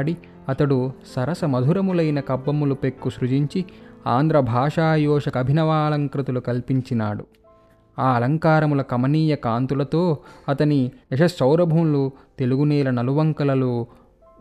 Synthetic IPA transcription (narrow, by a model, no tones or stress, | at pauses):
ɽi | ɐt̪ɐɽusɐɾɐsɐmɐd̪ʱuɾɐmulɐjnɐkɐbːɐmulupekːuʃɾud͡ʒiɲt͡ʃiaːnd̪ɾɐbʱaːʂaːjɔːʂɐkɐbʱinɐʋaːlɐŋkɾit̪ulukɐlpiɲt͡ʃinaːɽu | aːɐlɐŋkaːɾɐmulɐkɐmɐniːjɐkaːnt̪ulɐt̪oːɐt̪ɐniɐʂɐsɐwɾɐbʱɐmlut̪e̞luɡunɛːlɐnɐluʋɐŋkɐlɐlu